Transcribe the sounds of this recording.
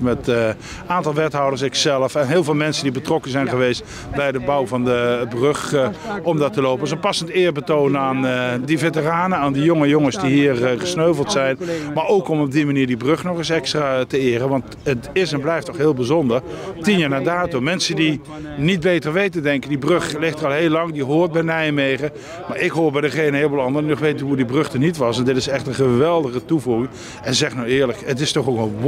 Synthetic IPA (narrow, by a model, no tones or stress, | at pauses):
mɛt | aːntɑlˠʋɛtɦɑwdəɹs̬ɪksɛləfɛnɦɪːlˠvɪːlˠmɛnsəndibətrɔkəzɛjnχəʋejst | bɛjdəbawvɑndəbrøχɔmdɑtəlowpənsənpɑsəntɪːɹbətownəaːndəvetəraːnəaːndijoŋəjoŋəsdiɦiːrχəsnøɥvəlˠtsɛjnmaɹowkɔmɔb̚dimaniːɹdibrøχnɔχɪsɛkstraːtəɪːərəʋɑnt | ətɪsɛnblɛjftːɔχɦɪːlˠbizɔndəɹtinjaːɹnaːdaːtomɛnsəndi | nid̚bejtəɹʋejtədɛŋkəndibrøχlɪχtərɑlˠɦejlɑŋdiɦoːɹt̚bɛjnɛjmejχə | maːɹʔɪkɦʊːɹbɛjdəχejnənɦɪːləbolˠɑndərdinɔχʋejtəɦudibrɵχtənitʋɑsɛndɪtɪsɛχtənχəʋɛlˠdəχətuvuχɪŋ | ɛnzɛχnawɪːɹləkətɪstɔχokə